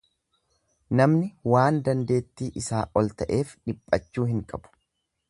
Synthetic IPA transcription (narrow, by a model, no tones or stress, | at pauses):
nɐmnɪwaːnd̪ɐnd̪e̞ːt̪ːiːʔɪsaːʔɔlt̪ɐʔe̞ːfᶑɪpʼːɐt͡ʃːuːɦɪŋkʼɐb̥ʊ̥